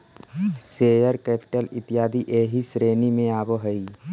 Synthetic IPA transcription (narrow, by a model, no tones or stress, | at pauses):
seːjəɾkɛːpɪ̥ʈəlɪt̪ɪjaːd̪iʔeːɦisɾeːnimẽaːboɦəi